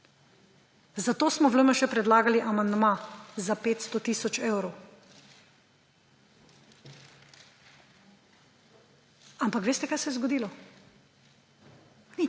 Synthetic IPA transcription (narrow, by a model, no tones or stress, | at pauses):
zat̪oːsmɔʋləməʃɛpɾɛd̪laːɡaliʔamand̪mazapeːt̪st̪ot̪iːsɔt͡ʃeːwɾow | ampakʋeːst̪ɛkajsɛjɛzɡɔd̪iːlɔ | ni